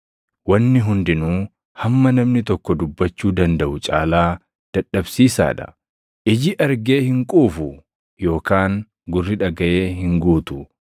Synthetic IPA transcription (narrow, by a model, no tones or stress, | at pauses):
wɐnːɪɦʊnd̪ɪnuː | hɐmːɐnɐmnɪt̪ɔkːɔd̪ʊbːɐt͡ʃːuːd̪ɐnd̪ɐʔʊt͡ʃʼa̰ːlaː | d̪̥ɐᶑːɐbsiːsa̰ːᶑɐ̥̰ | ʔɪd͡ʒɪʔɐɾɡe̞ːhɪŋkʼuːfʊ | jo̞ːkaːŋ | ɡʊrːɪᶑɐɡɐʔe̞ːɦɪŋɡuːt̪ʊ